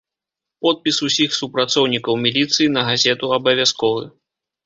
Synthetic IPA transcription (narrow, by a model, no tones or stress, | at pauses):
pɔt̪̚pʲisusʲixsupɾat̪sɔwnʲikɐwmʲilʲit̪sɨjinɐɣazʲɛt̪uɐbɐvʲaskɔvɨ̰